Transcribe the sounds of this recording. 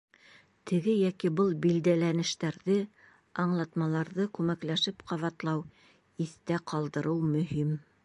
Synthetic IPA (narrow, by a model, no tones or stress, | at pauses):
t̪ʰɘ̆ɡɘjækibɤlˠbild̪ælænɘ̆ʃt̪æɾðɘ | ɑɴlˠɑt̪mɑlˠɑɾðɤkʉmæklæʃɘpqɑβɑt̪lˠɑw | iθt̪æqʰɑlˠd̪ɤ̆ɾɤwmɵ̆ɦim